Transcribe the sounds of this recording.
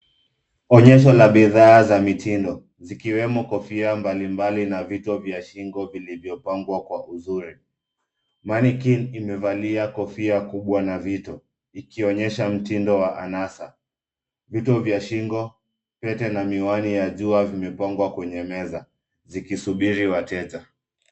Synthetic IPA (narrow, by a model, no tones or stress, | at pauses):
ɔɲɛʃ̬ɔlaɓiðaːzamitindɔ | zikiwɛmɔkɔfiambalimbalinavitɔvjaʃiŋɡɔvilivjɔpaŋɡwakwaʔuzuɾi | manikinimɛvaliakɔfiakuɓwanavitɔ | ikiɔɲɛʃam̩tindɔwaʔanasa | vitɔvjaʃiŋɡɔ | pɛtɛnamiwanijaʄuavimɛpaŋɡwakwɛɲɛmɛza | zikisuɓiɾiwatɛd͡ʒa